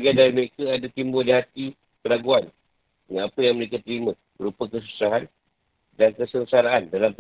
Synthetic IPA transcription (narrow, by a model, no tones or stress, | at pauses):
ɡandaɾiməɾekəadat̪imbodiɦat̪i | kəɾaɡuan | dəŋanapəjaŋməɾekat̪əɾimã | bəɾupakəs̬usaɦan | dankəsənsaɾaːndalamp